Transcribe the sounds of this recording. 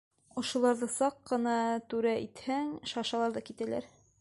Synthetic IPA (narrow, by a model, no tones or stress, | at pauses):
ŏʃŏlˠɑɾðɤsɑqːɤ̆nɑt̪ʉɾæʔit̪hæŋʃɑʃɑlˠɑɾðɑkit̪ælæ̰ɾ